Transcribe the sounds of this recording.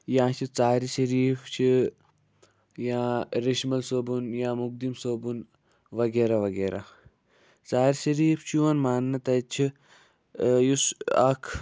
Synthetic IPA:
jãːt͡ʃʰit͡saːɾiʃɐɾiːft͡ʃʰi | jãːɾiʃmɐlsoːbunjãːmuk̚d̪imsoːbun | ʋɐɡeːɾaʋɐɡeːɾa̰ | t͡saːɾiʃɐɾiːft͡ʃʰuɐnmaːnːɐt̪ɐt͡ʃʰi | jusɐkʰ

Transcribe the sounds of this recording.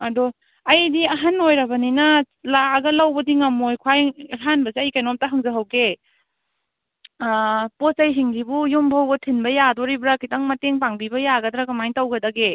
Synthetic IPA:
ɐdɔ | ɐjdiɐɦanojɾɐbɐninɐ | laɡɐlawbɐdiŋɐmojkʰwajɾɦanbɐzeɐjkajnɔmtɐɦaŋzɐɦawɡe | posɐjɦiŋɡibujumbawɡɐtʰinbɐjadɔɾibɾakʰitaŋmɐteŋpaŋbibɐjaɡɐdɾakɐmajŋtawɡɐdɐɡe

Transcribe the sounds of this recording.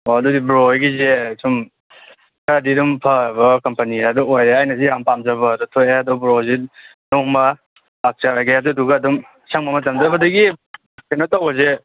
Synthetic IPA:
oɐdudibɾoɡizesum | kaɾadiɾumpʰɐbɐkɐmpɐniaduojɾeajnɐsijampamzɐbɐdutʰojaɐdɔbɾozinoŋmɐː | k̚t͡ʃaɾajɡaɐduduɡɐːdum | saŋmɐmɐt̬ɐmzɐbɐdɐɡi | kajnotawɐze

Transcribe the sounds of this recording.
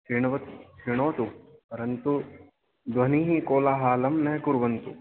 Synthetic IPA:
iɳ̃ʋɐt̪t͡ʃʰɾiɳ̃oːt̪upɐɾɐnt̪u | d̪ʋɐniɦĩkoːlaːɦaːlɐmnɐɦẽkuɾʋɐnt̪u

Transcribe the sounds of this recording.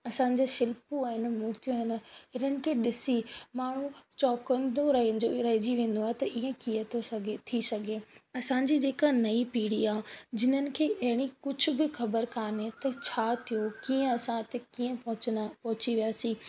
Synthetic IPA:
ɐsãːɲ̆d͡ʑeːʃɪlpuaːɦɪn̆muːɾt̪ijõɦɪnɪ̆ɦɪnənɪ̆kʰeːɗɪsimaːɳ̤ũt͡ɕɔːkə̃nd̪oɾɦoɾɐɦɪd͡ʑiʋẽːn̆d̪oaːɦet̪ɐʔiɦə̃kijət̪ʰot̪ʰisɐɡʱeɐsãɲ̆d͡ʑiːd͡ʑeːkanɐipiːɽ̤iaːd͡ʑɪn̤ənɪ̆kʰeːʔɐɦɪɽ̃ikʊd͡ʑʱʊ̆bɪxɐbəɾkaːnet̪ɐt͡ɕʰaːt̪ʰijokiːə̃ɐsãt̪ekiːə̃ɐpɐɦʊt͡ɕiʋijaːsiː

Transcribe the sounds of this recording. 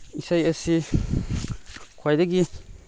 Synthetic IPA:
isajəsi | kʰwajdaɡi

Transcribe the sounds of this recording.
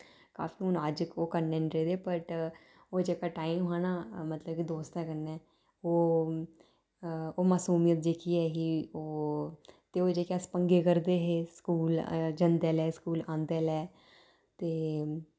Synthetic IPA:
ka̰ːfiːʊnaəd͡ʒkoːkəɾnẽːɳɖɾeːd̪eːpəʈ | oːd͡ʒeːkaːʈaːimaːnaːmət̪ləb̚kid̪oːst̪ɛːkəɾnɛː | oː | oːmaːsuːmijət̪̚d͡ʒeːkiɛːkɪoː | t̪eːoːd͡ʒeːkaːspəŋɡeːkəɾd̪eːɦeːskuːld͡ʒə̃nd̪ɛːlɛːskuːlãːnd̪ɛːlɛː | t̪eː

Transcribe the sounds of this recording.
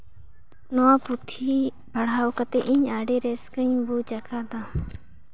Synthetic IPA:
nɔaput̪ʰiː | bʱəɽaːkat̪eʔiɲaːɖeːɾeskəɲ̃but͡ʃakʰad̪a

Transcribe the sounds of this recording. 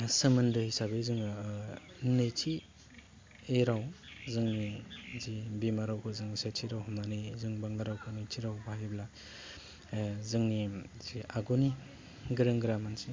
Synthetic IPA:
sɯmɐndɯhisabezɯŋ | netʰi | eɾawzɯŋnizibimaɾawkʰɯzɯŋsetʰiɾawhumanɯjzɯŋbaŋlaɾawkʰɯnetʰiɾawbaajibla | zɯŋni | ziaɡuni | ɡɾɯŋɡɾamansi

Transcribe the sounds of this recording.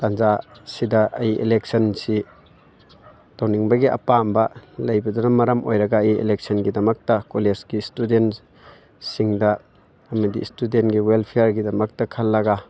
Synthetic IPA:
tanzasidɐɐjiʔḛleksɐnsi | tawniŋbɐɡiʔɐ̰pambɐlɐjbɐdɔnɐmɐɾɐmʔojɾɐɡaːjiḛlek̚sɐnɡidɐmɐk̚tɐkolesɡistudent | siŋdɐ | ɐmɐdḭstudentɡiwelpʰijaɾɡidɐmɐk̚tɐkʰɐlːɐɡa

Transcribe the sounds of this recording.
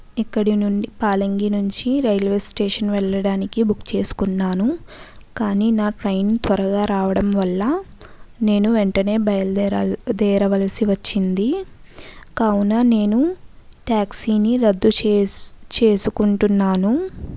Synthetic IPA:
ikːɐɽinuɳɖipaːlɐŋɡinuɲt͡ʃiɾɐjlʋe̞ːsʈeːʂɐnʋɛɭːɐɽaːnikibukt͡ʃe̞ːsu̥kunːaːnukaːniːnaːʈɾɐjnt̪ʋɐɾɐɡaːɾaːʋɐɽɐmʋɐlːɐ | ne̞ːnuʋeɳʈɐne̞ːbɐjɐlɐd̪ɛːɾɐʋɐlɐsiʋɐt͡ʃːind̪i | kɐwunɐne̞ːnuʈaːksiːniɾɐd̪ːu | t͡ʃe̞ːsukuɳʈunːaːnu

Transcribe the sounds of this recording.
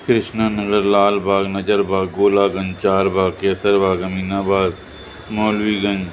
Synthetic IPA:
kɾɪʃnaːnəɡəɾlaːlbʱaːɡnɐd͡ʒəɾbʱaːɡːoːlaːɡə̃nd͡ʒt͡ʃaːɾbʱaːɡkeːsəɾbʱaːɡɐmiːnaːbaːɡ | moːlʋiːɡəɲd͡ʒ

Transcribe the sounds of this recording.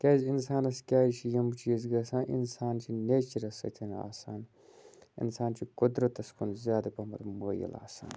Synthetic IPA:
kaːzinsaːnɐskʲaːit͡ʃʰijɐmt͡ʃʰiɐzɡɐsãːʔḭnsaːnt͡ʃʰinet͡ʃiɾɐsɐ̰t̪ʰina̰ːsaːn | ḭnsaːnt͡ʃʰikud̪ɾɐt̪ɐskunzjaːd̪ɐpɐmɐɾməːjɐ̰la̰ːsa̰ːn

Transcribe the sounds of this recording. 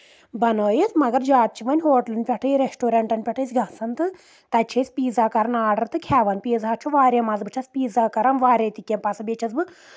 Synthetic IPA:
bɐnoːjit͡smɐɡɐɾd͡ʒaːt̪̚t͡ʃʰiʋɐnʲɦoːʈɐlɨnʲpʲɛʈʰɐjɾesʈoːɾeɳʈɐnʲpʲɛʈʰɨjsɡɐsɐnt̪ɨ | t̪ɐt͡ʃʰesʲpiːzaːkɐɾɐnaːɖɐɾt̪ɨkʰɛːʋɐnpʲiːzɦaːt͡ʃʰuʋaːɾʲemɐzbɨt͡ʃʰɐsʲpiːzaːkɐɾɐnʋaːɾʲet̪ikʲːɐmpɐsɐbʲet͡ʃʰɐzbɨ

